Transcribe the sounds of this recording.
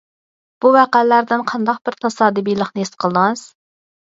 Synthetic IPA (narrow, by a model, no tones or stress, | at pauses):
b̥uvæqælːæɾd̪ɪnqʰɑnd̪ɑq̚b̥ɪɾt̪ʰɑsɑːd̪ɨbijlˠəχnɨest̪qʰəlˠd̪ɨŋɑɨz̥